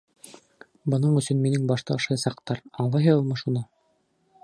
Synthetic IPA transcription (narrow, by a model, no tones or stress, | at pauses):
bɤ̆nɤɴɵ̆sɵnminɘŋbɑʃt̪ɑɑʃɑjsɑqt̪ɑɾɑɴlˠɑjɦɤɤlˠmɤʃunɤ